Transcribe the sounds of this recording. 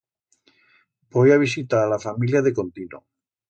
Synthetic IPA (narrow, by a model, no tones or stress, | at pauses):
bojaβ̞is̬it̪alafamiljaðekont̪ino̰